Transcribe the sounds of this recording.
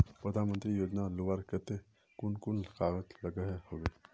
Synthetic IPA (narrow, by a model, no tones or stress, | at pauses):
pɾəd̪ʱaːnmə̃nt̪ɾijoːd͡ʒnaloʋaːɾket̪e | kʊnkʊnləqaːɣət̪lɐɡəɦhoɡe